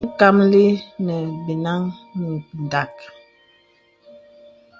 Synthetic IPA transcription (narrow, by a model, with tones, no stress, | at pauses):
ka˦mli˦nɛ˨bi˨na˦ŋni˨n˨da˨k̚